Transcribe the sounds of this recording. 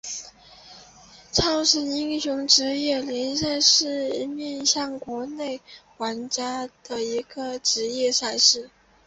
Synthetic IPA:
ʈ͡ʂʰɑ˥˩ʊʂə˧˥ni˥ŋɕʊ˧˥ŋʈ͡ʂɻ̩˧˥jɛ˥˩ljɛ˧˥ns̬a˥˧ɪʂɻ̩˥˩i˧˥mjɛ˥˧nɕjɑ˥˩ŋkwɔ˧˥ne˥˩ɪxwa˧˥nt͡ɕja˥d̪̥ə˨i˧˥ɡə˧ʈ͡ʂɻ̩˧˥jɛ˥˧sa˥˧ɪʂɻ̩˥˩

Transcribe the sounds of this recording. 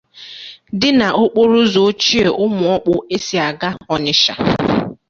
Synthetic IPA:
dɪ˦na˨ʔo˦k͡po˦ɾu˦zo˨˦t͡ʃi˦e˨ʔʊ˦mʊ˨ɔ˦k͡pʊ˦e˦si˨a˨ɡa˦ɔ˨ɲɪ˦ʃa̰˨

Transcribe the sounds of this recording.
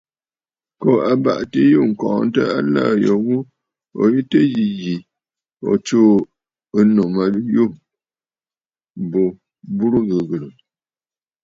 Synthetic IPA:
kɔ˨a˨ba̰˨ʔtə˦ju˦˨ŋ̩˨kɔ̃ː˨n˦tə˦a˦la̰˦˨jɔ˨ɣu˦ | ɔ̰˨ji˦tə˦ji˨ji˨ | ɔ̰˨t͡ʃoː˦˨ | ə˦no˨ma˨˦ju˦˨m˨ | bo˨ | bu˦ɾu˦ɣə˨ɣə˨lə˨

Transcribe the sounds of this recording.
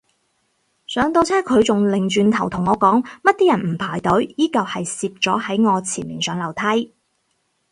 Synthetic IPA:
sœː˨˥ŋt̪o˧wt͡sʰɛː˥kʰɵ˨˧ɥt͡sʊ˨ŋlɪ˨˩ŋt͡ʃyː˧nt̪ʰɐ˨˩wt̪ʰʊ˨˩ŋːɔː˨˧kɔː˨˥ŋmɐ˥t̚t̪iː˥jɐ˨˩nm̩˨˩pʰaː˨˩jt̪ɵ˨˥ɥjiː˥kɐ˨whɐ˨jsiː˧p̚t͡sɔː˨˥hɐ˨˥jŋɔː˨˧t͡sʰiː˨˩nmḭː˨˩nsœː˨˧ŋlɐ˨˩wt̪ʰɐ˥j

